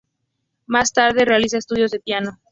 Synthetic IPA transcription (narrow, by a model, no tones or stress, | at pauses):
mast̪aɾðe̞re̞alis̬aest̪uðjo̞zðepjano̞